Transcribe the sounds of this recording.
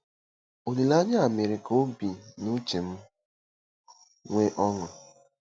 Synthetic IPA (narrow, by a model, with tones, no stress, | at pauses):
o˨li˨la˦ɲa˦a˨mɪ˨ɾɪ˨ko˦bi˨nu˦t͡ʃe˨m̩˦ | ŋʷe˦ʔɔ˦ŋɔ˨